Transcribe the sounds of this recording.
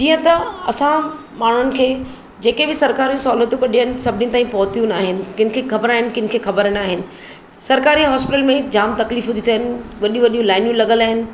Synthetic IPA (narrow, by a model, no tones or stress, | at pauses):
d͡ʑiːə̃t̪ɐɐsã | maːɳ̤ʊnɪ̆kʰeː | d͡ʑeːkebɪsɐɾkaːɾijũsɔːlət̪ũkɐɗiɦənɪ̆sɐbʱɪnĩñt̪aːĩpɐɦʊt̪ijũnaːɦɪnɪ̆kɪnɪ̆kʰexʰɐbəɾaːɦɪnɪ̆kɪnɪ̆kʰeːxɐbəɾənaːɦɪnɪ̆ | sɐɾkaːɾiɦɔːspɪʈəlmẽd͡ʑaːmt̪ɐkliːfɦʊd̪ʱit̪ʰiəɦnɪ̆ʋɐɗijũʋɐɗijũlaːɪnjũlɐɠəlaːɦɪnɪ̆